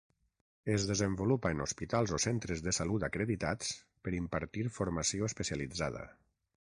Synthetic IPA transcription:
əzðəzəmbulupaenospit̪alˠzosent̪ɾəzðəsalut̪akɾeðit̪at͡s | pəɾimpaɾt̪iɾfoɾmasioəspəsjalid͡zaðə̰

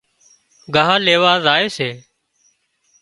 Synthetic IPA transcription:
ɡʱaːɦaːleːʋaːzaːeːseː

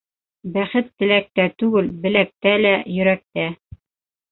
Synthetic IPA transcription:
bæχɘt̪ːɘ̆læk̚t̪æt̪ʉɡɘlbɘ̆læk̚t̪ælæjɵ̆ɾæk̚t̪æ

